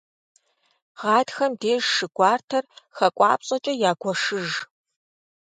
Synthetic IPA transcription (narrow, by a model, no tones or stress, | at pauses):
ʁɑːdxɐmdeːʒʂɨɡʷɑːrtʰɐrxɐkʷʼɑ̰ːpɕʼɐt͡ʃʼɐjaːɡʷɔʂɨʒ